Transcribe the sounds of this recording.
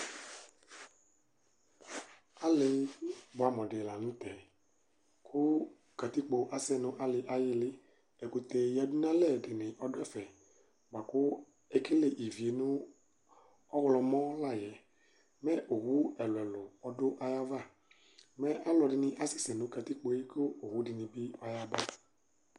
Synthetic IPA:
a˦lɪ˨bʊ˨a˨mɔ̃˨dɪ˨la˨nʊ̃˦t̪ɛ˨ | kʰʊ˦ | ka˨t̪i˦k͡po˨ʔa˨sɛ˦˨nʊ̃˦ʔa˦lɪ˨ʔa˦jɪ˦lɪ˦ | ɛ˨ko˨t̪ɛ˨ja˨du˦nã˦lɛ˦˨dɪ˨nɪ̃˨ʔɔ˦dʊ˦ɛ˦fɛ˨ | ba˨kʊ˦ | e˦kɪ˦le˨ʔi˨vi˨e˨nʊ̃˦ | ɔ˦wlɔ˨mɔ̃˦la˦˨jɛ˨ | mɛ˦ʔo˨ɦu˦ɛ˨lʊ˨ɛ˨lʊ˨ɔ˨dʊ˦ʔa˦ja˦va˦˨ | mɛ˦ʔa˦lɔ˨dɪ˨nɪ̃˨ʔa˦si˦sɛ˨nʊ̃˦ka˨t̪i˦k͡po˨˦i˦kʊ˦o˨hu˦dɪ˨nɪ̃˨bɪ˦ɔ˦ja˦ba˦

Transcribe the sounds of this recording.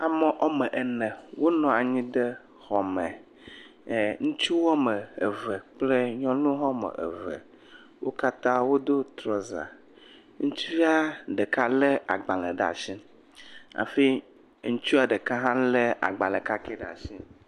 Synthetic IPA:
a˨mɛ˨ʔɔ˦mɛ˨ʔe˨nɛ̃˨wo˦nɔ̃˨a˨ɲĩ˦ɖe˦ | xɔ˨mɛ̃˨ | ŋũ˦t͡ʃu˦wɔ˦mə˨e˨və˨k͡ple˦ɲɔ̃˦nũ˦ɦɔ˦mə̰˨ʔḛ˨və̰˨ | wʔo˦ka˦t̪ã˦wo˦d̪o˦t̪ɾɔ˦za̰˨ | ŋũ˦t͡ʃu˦vi˦a˦ɖe˨ka˦le˦ʔa̰˨ɡ͡ba˨lə̃˨ɖa̰˨ʃĩ˦ | a̰˨fi˦ | ŋũ˦t͡ʃu˦a˨ɖə˨ka˦ɦã˦le˦ʔa̰˨ɡ͡ba˨lɛ̃˨ka˦ke˦ɖa̰˨sĩ˦

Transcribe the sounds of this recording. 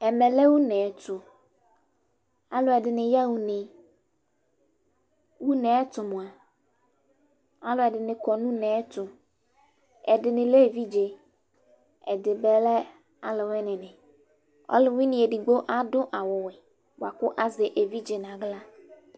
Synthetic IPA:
ɛ˨mɛ˨lɛ˦wu˦nɛ˨tʊ˨ | a˦lʊ˨ɛ˨dɪ˨nɪ̃˨ja˦wu˦nɪ̃˨ | wu˦nɛ̃˨˦t̪ʊ˨mʊ̃˨a˨ | a˦lʊ˨˦ɛ˨dɪ˨nɪ̃˨kɔ˨nũ˦nɛ̃˨˦t̪ʊ˨ | ɛ̰˨dɪ˨nɪ̃˨le˦˨vi˦d͡ʒe˨ | ɛ̰˨dɪ˨bɛ˨lɛ˦ | a˨lɪ˨wɛ˦nɪ̃˨nɪ̃˨ | ɔ̰˦lɪ˨wɪ̃˦nɪ̃˨e˨di˨ɡ͡bo˦ʔa˦dʊ˦ʔa˨wʊ˨wɪ˨ | wa˨kʊ˦ʔa˦zɪ˨ʔe˨vi˦d͡ʒe˨nã˨ɡla˦

